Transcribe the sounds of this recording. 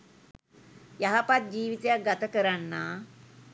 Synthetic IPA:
jaɦapat̪̚d͡ʑiːʋit̪ejaɡat̪əkəɾanːa

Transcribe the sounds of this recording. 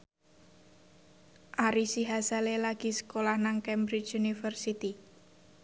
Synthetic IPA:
ʔaɾisiɦasalelaɡ̥i̤sə̥kolahnaŋkɛmbɾit͡ʃunifərsit̪i

